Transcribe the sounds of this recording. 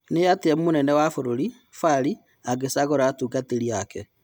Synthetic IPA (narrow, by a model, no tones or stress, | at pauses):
neateɛmonɛnɛwafoɾoɾi | faɾi | aɣesaɣɔɾaatuɡateɾiakɛ